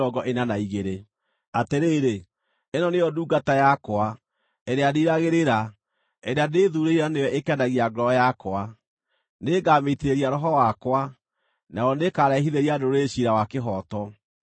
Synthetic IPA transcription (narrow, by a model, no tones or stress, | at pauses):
ɔɡɔʔenanaiɣeɾe | ateɾeːɾe | enɔneɔduːɡatajakoa | ɛɾeadiɾaɣeɾeɾa | ɛɾeadeːðuɾeiɾanewɛʔekɛnaɣiaɡɾɔjakoa | neːɡameteɾeɾiaɾɔɦɔwakwa | naɔnekaɾaiɦiðeɾiadoɾeɕiɾawakeɦɔtɔ